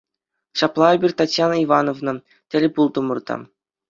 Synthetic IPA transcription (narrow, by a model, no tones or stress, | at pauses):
ɕɑplˠɑɤbʲirʲt̪atʲjanivɑnovnɤ̆ | tʲɘ̆lʲpulˠt̪umɤ̆rd̪ɑ̰